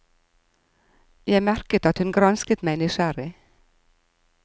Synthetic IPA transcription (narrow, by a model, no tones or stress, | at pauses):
jæɪmæɾkət̪ɑt̪hʉnɡɾɑnskət̪mæɪnɪʃæɾɪ